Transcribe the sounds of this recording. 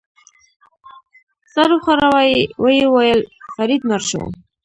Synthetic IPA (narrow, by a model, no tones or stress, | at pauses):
saɾuχaɾawajwəjewajəlfaɾid̪maɾʃo̰w̰